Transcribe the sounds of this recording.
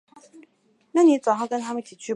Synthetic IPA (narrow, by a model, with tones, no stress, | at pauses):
na˥˩˨ni˧˥t͡so˨˩ʊxʊkə˥nt̪ʰa˥mə˨nt̪ʰi˨˩t͡ɕʰy˥˧